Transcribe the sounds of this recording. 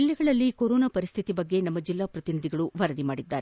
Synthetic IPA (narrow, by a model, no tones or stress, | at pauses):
ilːɛɡɐɭɐlːikoɾoːnapɐɾist̪ʰit̪ibɐɡːe̞nɐmːɐd͡ʒilːaːpɾɐt̪inid̪ʱiɡɐɭuʋɐɾɐd̪imaːɽid̪ːaːɾe